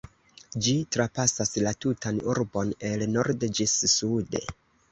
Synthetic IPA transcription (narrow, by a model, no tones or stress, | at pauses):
d͡ʒitɾapasaslatutʰanuɾbo̞ne̞lno̞ɾdd͡ʒisːude̞̰